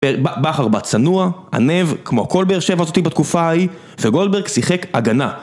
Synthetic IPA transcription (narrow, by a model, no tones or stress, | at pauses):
ebabaχaʁbat͡sanuaa̰ne̞vkmoako̞lbeeʁʃe̞vazo̞t̪ibat̪kufai | veɡo̞ldbe̞ʁɡsiχekaɡana